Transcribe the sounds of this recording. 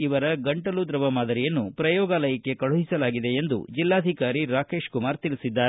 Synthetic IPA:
iʋɐɾɐɡɐɳʈɐlud̪ɾɐʋɐmaːd̪ɐɾijɐnːupɾɐjɔːɡaːlɐjɐkːe̞kɐɭuɦisɐlaːɡid̪e̞end̪ṵd͡ʒilːaːd̪ʱikaːɾiɾaːke̞ːʃkumaːɾt̪ilisid̪ːaː

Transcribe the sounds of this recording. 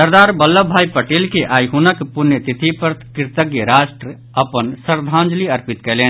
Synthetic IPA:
sɐɾd̪aːɾbɐlːəbʱaːipɐʈeːlkeʔaːjɦunəkpʊnjət̪ɪt̪ʰipəɾt̪kɪɾt̪əɡjeɾaːsʈɾə | ɐpənsɐɾd̪ʱãːnd͡ʒliɐɾpɪt̪kɛleː

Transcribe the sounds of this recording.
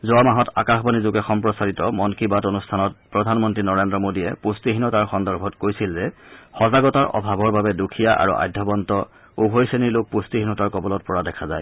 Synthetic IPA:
zɔamaɦɔta̰kaxbanizʊɡɛxɔmpɹɔsaɹitɔmɔnkibatonustʰanɔt̚pɹɔdʱanmɔntɹinɔɹendɹɔmodiɛpustiɦinɔtaɹxɔndɔɹbʱɔtkojsilzɛxɔzaɡɔtaɹʔɔ̰bʱabɔɹbabɛdukʰijaʔa̰ɹṵʔa̰jdʱːɔbɔntɔ | ubʱojseniɹlok̚pustiɦinɔtaɹkɔbɔlɔt̚pɔɹadɛkʰazaj

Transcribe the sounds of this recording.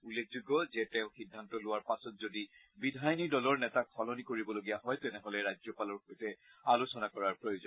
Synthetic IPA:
ulek̚ʰzuɡɔzɛtɛʊ̃xidʱːantɔlʊwaɹpasɔtzodi | bidʱajnidɔlɔɹnɛtakʰːɔlɔnikoɹibɔloɡijaɦɔjtɛnɛɦɔlɛɹazɔpalɔɹxojtɛ | alosɔnakɔɹaɹpɹojozɔn

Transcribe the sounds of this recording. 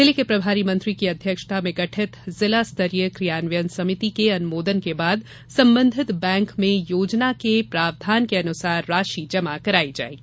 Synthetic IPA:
sɪlikepɾɐbʱaːɾimɐ̃nt̪ɾikiɐd̪ʱjəkʃə̥t̪ʰamẽɡɐʈʰɪt̪zɪlast̪ʰɐɾijəkɾijaːnʋjənsɐmɪt̪ikeɐnʊmoːd̪ənkebaːd̪ | sɐ̃mbə̃nd̪ʱɪt̪bɛ̃ːŋkmẽjoːd͡ʒnakepɾaːʋd̪ʱaːnkeɐnʊsaːɾːaːʃid͡ʒɐmakɐɾaːid͡ʒa̰ːeɡi

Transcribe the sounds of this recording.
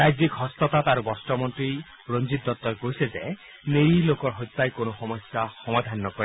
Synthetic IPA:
ɾajd͡ʒikɦɔst̪ɔt̪at̪aɾubɔsʈɔmɔnt̪ɾi | ɾond͡ʒit̪̚d̪ɔt̪ːɔɾkoɦiseze | neɾilokɔɾɦojt̪̚pajkonɔxɔmɔsjahɔmad̪ʱanːɔkɔɾe

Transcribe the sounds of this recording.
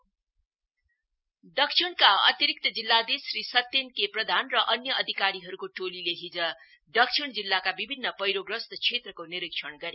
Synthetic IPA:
ɖʌksʰiɽkaʌ̰t̪iɾik̚t̪ʌd͡zilːad̪esrisʌt̪ːenkeprʌd̪ʱanrʌʔʌnjʌʌd̪ʱikaɾiɦʌɾukoʈolileɦid͡zʌ | dʌksʰiɽd͡zilːakabibʱinːʌpʌjɾoɡrʌst̪ʌt͡sʰet̪rʌkoniɾikʂʰʌɳɡʌɾe

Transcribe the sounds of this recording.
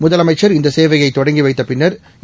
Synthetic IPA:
mʊðɐlɐmɐɪt͡ʃːɐɾɪnd̪ɐseːʋɐjɐɪt̪ːɔɽɐŋɡiʋɐɪt̪ːɐpɪnːɐɾ

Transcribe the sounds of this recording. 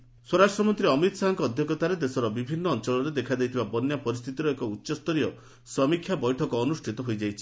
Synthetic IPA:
swɔɾasʈɾɔmɔnt̪ɾiɔmit̪ɔ̥saɦaŋkɔːd̪ʱjɔkɔt̪aɾed̪esɔɾɔbibʱinːɔːnt͡ʃɔɭɔɾed̪ekʰad̪ejt̪ʰibabɔnjapɔɾist̪ʰit̪iɾɔekɔutːʃɔst̪ɔɾiɔ | sɾɔmikʰjabɔjʈʰɔkɔːnusʈʰit̪ɔɦojd͡ʒajt͡ʃʰi

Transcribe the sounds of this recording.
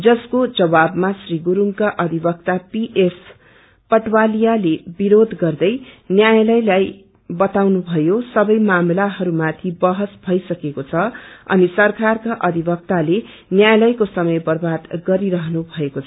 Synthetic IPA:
d͡zʌskod͡zʌbabmasriɡuɾuŋkaʔʌd̪ʱibʌk̚t̪apiʔes | pʌʈwalijalebiɾod̪ʱɡʌrd̪ʌjnjajlʌjlaj | bʌt̪awnubʱʌjosʌbʌjmamlaɦʌɾumat̪ʰibʌɦʌsbʱʌjsʌkekot͡sʰʌʌ̰nisʌrkarkaʔʌd̪ʱibʌk̚t̪ale | njajlʌjkosʌmʌjpʌrbʱat̪ɡʌɾiɾʌɦʌnubʱʌekot͡sʰʌ

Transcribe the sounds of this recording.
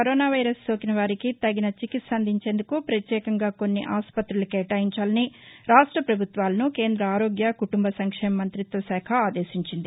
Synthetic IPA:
kkɐɾoːnaːʋɐjɾɐstoːkinɐʋaːɾikit̪ɐɡinɐt͡ʃikit̪sɐnd̪ʱiɲt͡ʃe̞ːnd̪ukupɾɐt̪jɛːkɐŋɡaːko̞nːiʔaːspɐt̪ɾulɐkɛːʈaːjiɲt͡ʃaːlɐniɾaːʂʈɾɐpɾɐbʱut̪ʋaːlɐnuke̞ːnd̪ɾɐaːɾo̞ːɡjɐkuʈumbɐsɐŋkʂɛːmɐmɐnt̪ɾit̪ʋɐsɛːkʰɐaːd̪eːʃiɲt͡ʃind̪i

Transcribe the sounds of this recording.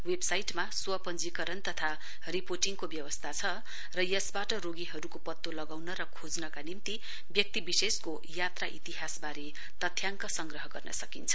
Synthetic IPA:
websajʈmaswʌpʌnd͡zikʌɾʌnt̪ʌt̪ʰa | riporʈiŋkobjʌwʌst̪ʰat͡sʰʌ | rʌjʌsbaʈʌɾoɡiɦʌɾukopʌt̪ːolʌɡawnʌɾʌkʰod͡znʌkanimt̪i | bjʌk̚t̪ibisesko | jat̪raʔit̪iɦasbaɾe | t̪ʌt̪ʰːjaŋkʌsʌŋɡrʌɦʌɡʌrnʌ̰sʌkint͡sʰʌ̥

